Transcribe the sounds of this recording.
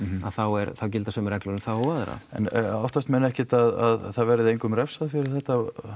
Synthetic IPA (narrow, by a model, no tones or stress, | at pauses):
aðθawɛɾθawcɪlt̪asœːmɪɾɛklʏɾʏnθawɔwaːðɾ̰a̰ɛ̰nawfht̪ast̪mɛnːɛhcɪt̪aða̰ðθaðvɛɾɪðejŋkʏmɾɛfsaðfɪɾɪɾ̥θɛht̪ːa